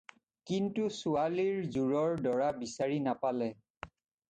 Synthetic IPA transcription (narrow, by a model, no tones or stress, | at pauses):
kintusualiɹzuɹɔɹdɔɹabisaɹinapalɛ